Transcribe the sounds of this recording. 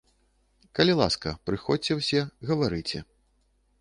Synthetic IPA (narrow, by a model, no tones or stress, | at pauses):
kɐlʲilˠa̰skɐpɾɨxɔt͡sʲɛwsʲɛɣɐvaɾɨt͡sʲɛ̰